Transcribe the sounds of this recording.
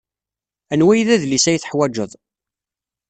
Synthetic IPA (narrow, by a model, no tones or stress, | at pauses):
ænwæjðæðlisæjθə̥ħwæd͡ʒəðˤ